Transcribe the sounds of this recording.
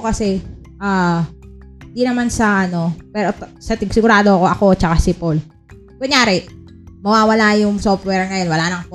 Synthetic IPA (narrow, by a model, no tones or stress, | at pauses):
kɐsɛ | ʔaː | hɪnd̪inɐmansɐʔɐno̞pɛːɾo̞t̪sɐt̪ɪɡsɪɡʊɾaːd̪oɐkoʔɐko̞t͡ʃɐkasɪpol | ɡ̥ʊɲaːɾɛ | mɐwaːwɐlajʊŋsoft̪̚wɛɹŋɐjo̞nwɐlaːnɐŋp